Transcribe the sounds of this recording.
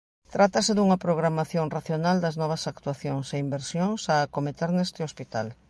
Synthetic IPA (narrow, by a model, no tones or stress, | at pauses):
t̪ɾat̪ɐsɪðuŋɐpɾoɣ̞ɾamaθjoŋraθjonald̪ɐznɔβ̞ɐsak̚t̪waθjoŋseimbeɾsjoŋsaːkomet̪eɾnest̪ɪospit̪al